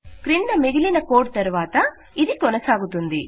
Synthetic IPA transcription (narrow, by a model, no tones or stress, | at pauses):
kɾiɳɖɐmeɡilinɐkoːɖ̚t̪ɐɾuʋaːt̪ɐ | id̪ikɔnɐsaːɡut̪und̪i